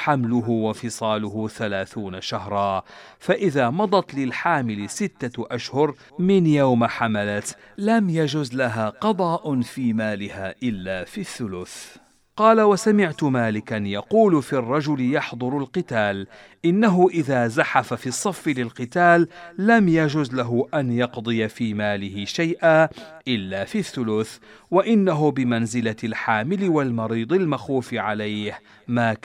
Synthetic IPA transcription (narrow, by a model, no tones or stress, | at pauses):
ħamlʊɦʊwafɨsˤɑːlʊhʊθalaːθuːnaʃahɾˤɑː | faʔɪðaːmɑd̪ˤɑt̪lɪlħaːmɪlɪsɪt̪ːaʔaʃhʊɾ | mɪnjawmaħamalat̪ | lamjad͡ʒʊzlaɦaːqɑd̪ˤɑːʔʊnfiːmaːlɪhaːʔɪlːaːfiθːʊlʊθ | qɑːlawasamɪʕt̪ʊmaːlɪkanjɑquːlʊfiːrˤːɑd͡ʒʊlɪjɑħd̪ˤʊɾʊlqɨt̪aːl | ʔɪnːaɦʊʔɪðaːzaħafafisˤːɑfːɪlɪlqɨt̪aːlːamjad͡ʒuːzlaɦʊʔanjɑqd̪ˤɨjafiːmaːlɪhɪʃajʔaːʔɪlːaːfiθːʊlʊθ | waʔɪnːaɦʊbɪmanzɪlalħaːmɪlɪwalmɑɾiːd̪ˤɪlmaxuːfɪʕalajh | maː